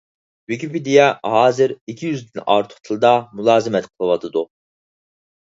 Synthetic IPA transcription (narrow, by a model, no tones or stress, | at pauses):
wykʲʰipid̪ijɛɦɑːzɪɾikʲʰijyzd̪ynɑ̰ɾt̪ʰʊ̥χt̪ʰɨlˠd̪ɑmulˠɑːzɨmɛt̪qʰəlˠɨwɑt̪ʰɨd̪u